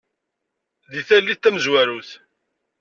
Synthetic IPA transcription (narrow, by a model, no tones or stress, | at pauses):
ðiθælːiθt̪ːæməzwæɾuθ